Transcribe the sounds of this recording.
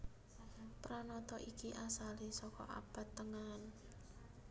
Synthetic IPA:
pɾanɔt̪ɔʔikiʔasalisɔkɔ̰ʔa̰b̥ä̤t̪ːəŋan

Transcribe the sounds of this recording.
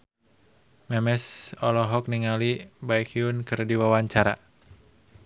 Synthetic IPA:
mɛmɛsɔlɔɦɔk̚niŋalibajkiunkɨrdiwawaɲt͡ʃaɾa̰

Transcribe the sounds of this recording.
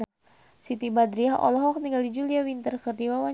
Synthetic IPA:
sit̪ibad̪ɾiaɦʔɔ̰lɔɦɔk̚niŋɡaldid͡ʒuliawint̪ərkərdiwawa

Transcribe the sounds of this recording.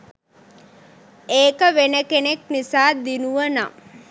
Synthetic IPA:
eːkəʋenəkeneknisaːd̪inuʋəna̰

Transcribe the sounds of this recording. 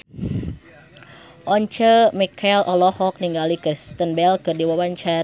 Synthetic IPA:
ʔɔɲt͡ʃəmikʰalʔɔlɔhɔk̚niŋɡalikɾist̪ənbɛlkɨrdiwawaɲt͡ʃa

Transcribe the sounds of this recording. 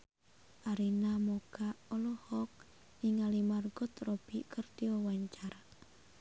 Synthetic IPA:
ʔaɾinamoɡ̥aʔɔlɔhɔk̚ | niŋalimarɡɔt̪rob̥ikərt̪iɔwaɲt͡ʃara

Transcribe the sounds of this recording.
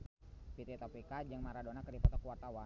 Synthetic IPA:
pit̪iɛt̪ɔpikad͡ʒəŋmaɾadonakədipɔt̪ɔkuwart̪awa

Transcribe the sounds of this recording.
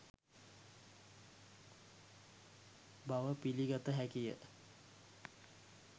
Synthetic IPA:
baʋəpiliɡat̪əɦækijə̰

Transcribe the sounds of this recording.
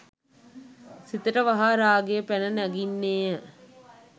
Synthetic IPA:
sit̪əʈəʋɐɦaːɾaːɡejəpænənæɡinːeːjə

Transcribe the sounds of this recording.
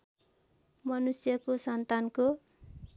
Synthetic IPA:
mʌnusjʌkosʌnt̪anko

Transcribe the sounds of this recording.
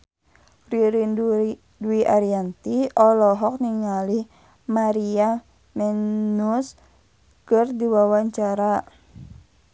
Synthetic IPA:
riɾind | duiʔaɾiant̪iɔlɔɦɔk̚niŋalih | maɾia | mɛnus | kɨrdiwawaɲt͡ʃaɾa

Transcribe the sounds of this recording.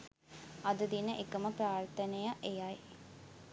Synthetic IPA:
ɐd̪əd̪inəʔekəməpɾaːrt̪ənejaʔejɐj

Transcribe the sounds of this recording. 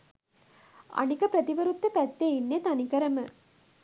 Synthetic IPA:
a̰nikəpɾɐt̪iʋəɾut̪ːəpæt̪ːeinːet̪anikəɾəmə

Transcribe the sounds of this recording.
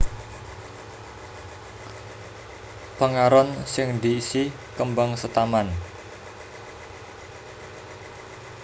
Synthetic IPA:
paŋaɾɔnsɪŋd̪i̤ːsi | kəmbaŋsət̪aman

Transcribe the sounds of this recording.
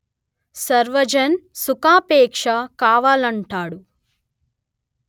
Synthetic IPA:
sɐɾʋɐd͡ʒɐnsukaːpɛːkʂɐkaːʋaːlɐɳʈaːɽu

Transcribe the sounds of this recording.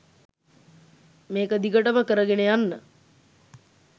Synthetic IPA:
meːkəd̪ikəʈəməkəɾəɡenejanːə

